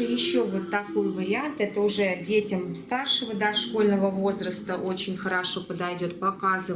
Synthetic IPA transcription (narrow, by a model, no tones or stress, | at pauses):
ɨjɪɕːovo̞t̪ːɐko̞jvəɾʲɪant̪ɛt̪əʊʐɛdʲetʲɪmst̪arʂəvəd̪aʂko̞lʲnəvəvo̞zɾəst̪əʔo̞t͡ɕɪnʲxəɾaʂo̞pəd̪ajdʲo̞t̪̚pɐkazɨ